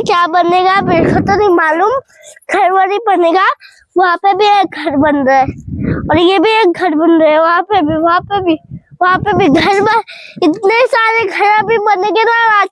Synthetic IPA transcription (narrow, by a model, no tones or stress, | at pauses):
kjaːbɐneːɡabɪɾkət̪onimaːluːm | ɡʱɐɾʋəɾibɐneːɡa | ʋɐɦãpebʱieːk̚ɡʱɐɾbɐnɾaɔːɾjebʱieːk̚ɡʱɐɾbɐnɾəɛʋɐɦãpebʱiʋɐɦãpebʱiʋɐɦãpebʱiɡʱɐɾmẽɪt̪nesaːɾeɡʱɐɾãbʱibɐneɡenaaː